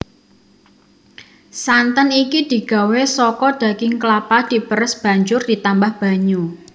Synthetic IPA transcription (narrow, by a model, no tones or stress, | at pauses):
sant̪ənikid̪̥i̤ɡ̥a̤wesɔkɔd̪̥a̤ɡɪŋklapad̪̥i̤pəɾəsb̥a̤ɲd͡ʒʊrd̥it̪ambahb̥a̤ɲu